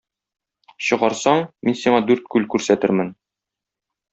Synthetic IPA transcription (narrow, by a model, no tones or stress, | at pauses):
ɕɤ̆ʁɑɾsɑɴminsiɴɑd̪ʉɾt̪̚kʉlkʉɾsæt̪ɘɾmɘn